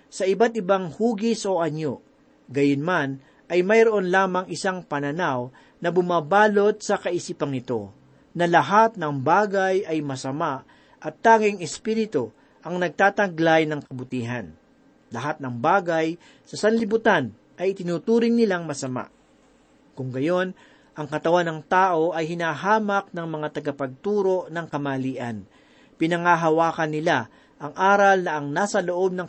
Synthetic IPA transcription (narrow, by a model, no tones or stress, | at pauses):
sɐʔɪbat̪̚ɪbaŋhuːɡɪsʔo̞ʔɐɲo̰ | ɡɐjonman | ʔɐjmɐjɾoʔonlaːmɐŋɪsaŋpɐnɐnaw | nɐbʊmaːbaːlo̞t̪̚sɐkɐʔɪsiːpɐŋɪt̪o̞̰ | nɐlɐɦat̪̚nɐŋbaːɡɐjɐjmɐsɐmaʔ | ʔɐt̪ːaːŋɪŋɛspiːɾɪt̪o | ʔɐŋnɐɡ̚t̪aːt̪ɐɡlajnɐŋkɐbʊt̪iːɦɐ̰n | lɐɦat̪̚nɐŋbaːɡɐj | sɐsɐnlɪbʊt̪an | ʔɐjɪt̪ɪnuːt̪uːɾɪŋnɪlaŋmɐsɐma̰ʔ | kʊŋɡɐjo̞n | ʔɐŋkɐt̪ɐwanɐŋt̪aːʔo̞ʔɐjhɪnaːɦaːmɐk̚nɐŋmɐŋat̪ɐɡɐpɐɡ̚t̪uːɾo̞ʔnɐŋkɐmaːliːʔɐn | pɪnɐŋaːɦɐwaːkɐnːɪla | ʔɐŋʔaːɾɐlnɐʔɐŋnaːsɐloʔo̞b̚nɐŋ